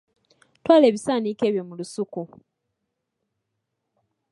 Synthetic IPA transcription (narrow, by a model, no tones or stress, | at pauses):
twaːleːβisaːnike̞ːβjomulusuku